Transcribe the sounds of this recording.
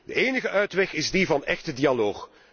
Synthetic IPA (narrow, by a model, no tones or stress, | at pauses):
d̥əeːnəɣəʔœɥtʋɛxɪzdivɑnɛxtədialoːx